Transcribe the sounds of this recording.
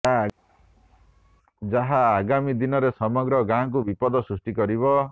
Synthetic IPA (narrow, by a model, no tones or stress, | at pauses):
d͡ʒaɦaːɡamid̪inɔɾesɔmɔɡɾɔɡãk̬ubipɔd̪ɔsɾusʈikɔɾiβɔ